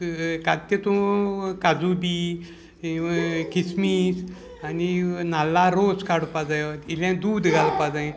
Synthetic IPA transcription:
kat̪ːet̪ũkad͡zubi | kismis | aninalːaɾoskaɽpad͡zajt̪ilãd̪uːd̪ɡʱalpad͡zaẽ

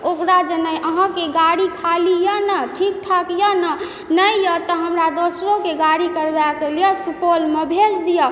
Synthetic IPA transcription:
okɾad͡ʒənəjʔəɦãkeɡaɽikʰalijənəʈʰik̚t̪ʰakjənə | nəjjət̪əɦəmɾad̪osɾokeɡaɽikəɾbakelijəsupolmebʱesd̪ijə

